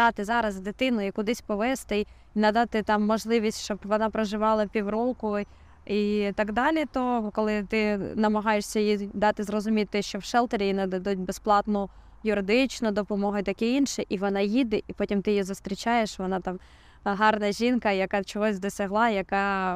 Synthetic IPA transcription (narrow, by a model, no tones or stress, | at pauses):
d̪ɑt̪ɪzɑɾɐzd̪ɪt̪ɪnʊikʊd̪ɪsʲpɔʋɛst̪ɪ | inɐd̪ɑt̪ɪt̪ɑmːɔʒlˠɪʋʲisʲtʲʃt͡ʃɔbʋɔnɑpɾɔʒɪʋɑlˠɐpʲiwɾɔkʊ | it̪ɐɡd̪ɑlʲɪt̪ɔkɔlˠɪt̪ɪnɐmɐɦɑjeʂsʲɐjid̪ɑt̪ɪzrɔzʊmʲit̪ːɪʃt͡ʃɔwʃɛlˠt̪eɾʲijinɐd̪ɐd̪ut̚ʲbesplˠɑt̪nʊ | jʊɾɪd̪ɪt͡ʃnʊd̪ɔpɔmɔɦʊt̪ɐkʲɛinʃɪʔiʋɔnɑjid̪ɪʔipɔtʲimt̪ɪjjizʊst̪ɾʲit͡ʃɑjeʃʋɔnɑt̪ɑm | ɦɑrnɐʒʲinkɐjɐkɑt͡ʃɔɦɔzʲd̪ɔsʲɐɦlˠɑjɐkɑ